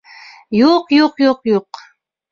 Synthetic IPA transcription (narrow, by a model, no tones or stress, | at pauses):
joqjoqjoqjoq